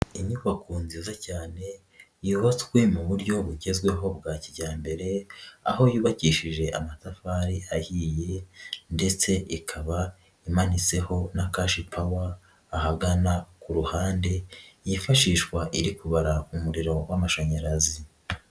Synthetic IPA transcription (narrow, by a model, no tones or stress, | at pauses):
iɲuβakuːnzizacaːne̞ | juβat͡swe̞muβuɾɟo̞βuɟe̞zɡwe̞ɦo̞b̚ɡaːciɟaːmbe̞ɾe̞a̰ho̞juːβaciːʃiʒe̞ʔamatafaːɾiahiːje̞nde̞t͡se̞ʔikʰaβa | imanit͡se̞ho̞nakaʃipʰawaː | haɡanakuɾuhaːnde̞jifaʃiːʃwaʔiɾikuβaɾaumuɾiɾo̞wamaʃoɲaɾazi